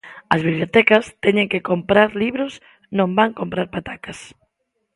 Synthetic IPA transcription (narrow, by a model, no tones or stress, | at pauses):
ɐzβiβlijot̪ɛkɐst̪ɛɲeŋkekompɾaɾliβɾos | nõmbaŋkompɾaɾpat̪akɐs